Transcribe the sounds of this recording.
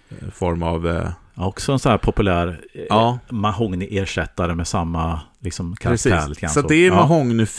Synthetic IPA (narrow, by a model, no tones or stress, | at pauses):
fɔɾma̰v | ɔksɔɛnsɔnæːɾpʰɔpɵlæːɾː | maɦɔŋnʔeːʂɛt̪ːaɾəmɛsamːalɪksɔmkʰaɾakt̪ʰæ̰ːɾlɪt̪əɡʰa̰nsat̪d̪ɛmaɦɔŋnɪf